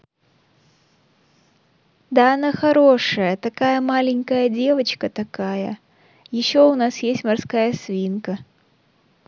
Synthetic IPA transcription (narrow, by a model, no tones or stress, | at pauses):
d̪aɐnaxɐɾo̞ʂəjət̪ɐkajəmalʲɪnʲkəjədʲe̞vət͡ɕkət̪ɐkajə̰ | jɪɕːo̞ʊnasjesʲtʲmarskajəsvʲinkə